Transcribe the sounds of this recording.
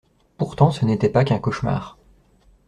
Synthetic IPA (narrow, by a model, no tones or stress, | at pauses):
puʁt̪ɑ̃sənet̪ɛpakɛ̃kɔʃma̰ːʁ